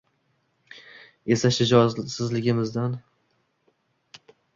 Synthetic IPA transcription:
e̞saʃɪd͡ʒɒsɪzlɪɡʲɪmɪzd̪an

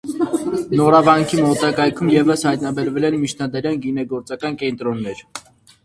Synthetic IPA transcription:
nɔɾɑvɑŋkʰimɔt̪ɑkɑjkʰumjɛvəshɑjt̪nɑbɛɾvɛlɛnmit͡ʃʰnɑd̪ɛɾjɛnɡinɛɡɔɾt͡sɑkɑnkɛnt̪ɾɔnːɛɾ

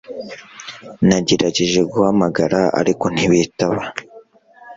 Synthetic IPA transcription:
naɟeɾaɟeʒe̞ɡuhamaɡaɾaa̰ɾiko̞n̥hiβitaβa

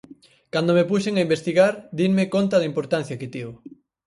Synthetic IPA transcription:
kand̪omepuʃeŋaimbest̪iɣaɾd̪iŋmekont̪ɐðɐimpoɾt̪ãn̟θjɐkɪt̪io

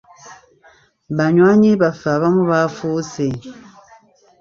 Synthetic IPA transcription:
baɲwaɲibafaβamuβafuse

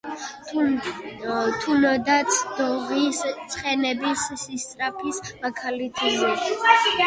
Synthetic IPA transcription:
t̪ʰunɔd̪at̪sʰd̪ɔʁist̪sʰʼχɛnɛbisːist̪ʼɾapʰismakʰalit̪ʰzɛ

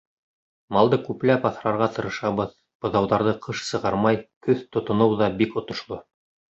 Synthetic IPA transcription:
mɑlˠd̪ɤkʉplæpɑθɾɑɾʁɑt̪ɤ̆ɾɤ̆ʃɑβɤð | b̥ɤ̆ðɑwðɑɾðɤqʰɤʃsɤ̆ʁɑɾmɑjkɵθt̪ŏt̪ŏnɤwðɑbikŏt̪ŏʃlˠo

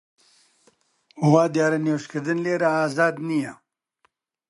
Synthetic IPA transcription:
ʊwaːd̪jaːɾɐnewʃkʰɨɾd̪ɨnleːɾaaːzaːd̪nijɛ

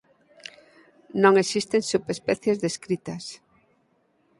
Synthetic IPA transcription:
nõŋesist̪ensupespɛθjezðeskɾit̪ɐs

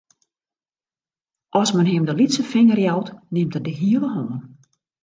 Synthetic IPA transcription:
ʔɔsmənɦɪmdəlitsəfɪŋərjawtnɪmtədəɦiələɦoːn

